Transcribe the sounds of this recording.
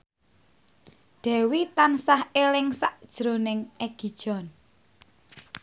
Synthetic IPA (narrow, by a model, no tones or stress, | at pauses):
ɖ̪̥ɛ̤wit̪ansahelɪŋsa̰ʔd̥ʒ̥ɾonɪŋʔeɡ̥i̤d̥ʒ̥ɔ̤n